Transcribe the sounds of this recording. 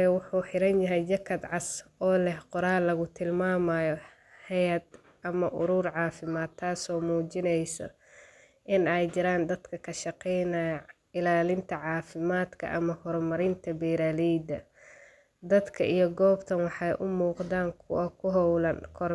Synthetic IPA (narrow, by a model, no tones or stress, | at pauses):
ɛwʊħuːħɪɾɐnjɐɦɛjd͡ʒɐkʰɐd̪ʕɑsɔːlɛhqʊɾaːlɐɣʊt̪ʰɪlmaːmajɔ | hɛjɐd̪ | ʔɐmɐʔʊɾuːrʕɑːfɪmaːd̪ʰaːsɔːmuːt͡ʃɪnɛjsɐ̰ | ʔɪnɛjd͡ʒɪɾaːnd̪ɐd̪kʰɐkʰɐʃɑqɛjnɐjɐ | ɪlaːlɪnt̪ʰɐʕɑːfɪmaːd̪kʰɐ̰ʔɐmɐhɔrmɐɾɪnt̪ʰɐbɛːɾaːlid̪ɐ | d̪ɐd̪kʰɐʔijɔɡɔːbt̪ʰɐnwɑħɑjʔʊmuːqd̪aːŋkʰʊ̰wɐkʰʊɦɔwlɐnkʰɔr